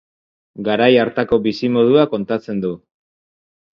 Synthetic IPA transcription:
ɡaɾajaɾt̪ako̞βisimo̞ð̞uako̞nt̪at͡se̞nd̪u

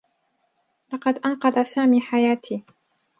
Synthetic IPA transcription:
lɑqɑd̪ʔɑnqɑðˤɑsaːmiːħajaːt̪ʰiː

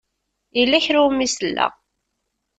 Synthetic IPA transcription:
ilːæçɾumːisəlːæ̰ʁ

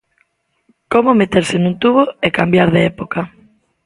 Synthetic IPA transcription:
komomet̪eɾsenũnt̪uβoekambjaɾðeepoka

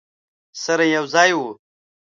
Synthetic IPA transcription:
sɐɾɐ̃jɐwzaːju

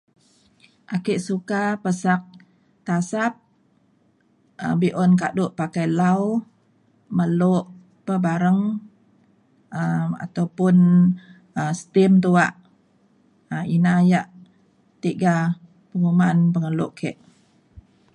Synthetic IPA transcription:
ʔakiʔsukapəsak̚ | t̪asap̚ | ʔə̰biʔɔnka̰ʔdʊʔpakajlaw | məloʔ | pəbaɾəŋ | əma̰t̪awpʊn | əsə̥t̪imt̪uaʔ | əinajaʔ | t̪iʔɡa | pəŋumanpəŋəlʊʔkʰɛʔ

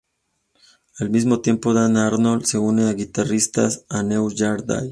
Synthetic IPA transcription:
almizmo̞t̪je̞mpoðanaɾnolse̞uneaɣit̪arist̪a̰sanewʝaɾd̪a̰j

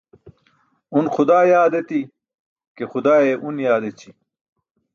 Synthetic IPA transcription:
unxʊd̪aːjaːd̪et̪i | kexʊd̪aːeʔunjaːd̪et͡ɕʰi

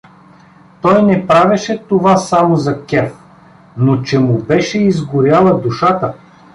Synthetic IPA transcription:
t̪ɔjnɛpɾavʲɛʃɛt̪ovasamozɐkʲɛf | not͡ʃɛmʊbɛʃɛizɡʊɾʲjalˠɐd̪uʃat̪ə

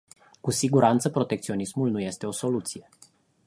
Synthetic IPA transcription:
kusiɡuɾant̪səpɾo̞t̪e̞k̚t̪sio̞nismulnuje̞st̪e̞oso̞lut̪sije̞

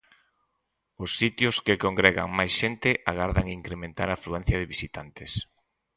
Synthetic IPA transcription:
ʊsːit̪jʊskɪkoŋɡɾeɣa̰ŋmajsʃent̪ɪʔaɣaɾðaŋiŋkɾemẽnt̪aɾafluɛn̟θjɐðɪβisit̪ant̪ɪs

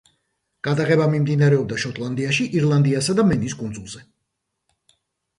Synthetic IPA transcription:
ɡ̥ad̪aʁɛbamimd̪inaɾɛɔb̚d̪aʃɔt̪ʼlˠand̪iaʃiʔiɾlˠand̪iasad̪amɛniskʼund̪zulˠz̥ɛ

